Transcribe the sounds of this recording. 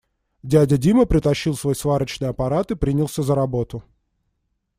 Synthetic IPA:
dʲædʲədʲiməpɾʲɪt̪ɐɕːilˠsvo̞jsvaɾət͡ɕnɨjɐpɐɾat̪ɨpɾʲinʲɪlˠsʲəzəɾɐbo̞t̪ʊ

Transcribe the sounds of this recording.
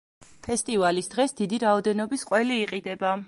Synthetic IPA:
pʰɛst̪ʼivalisd̪̥ʁɛsd̪id̪iɾaɔd̪ɛnɔbisqʼwɛliːqʼid̪ɛba

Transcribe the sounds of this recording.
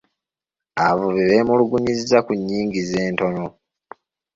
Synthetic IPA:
avuβiβeːmuluɡuɲizizakuɲːiːŋɡize̞ːnto̞no

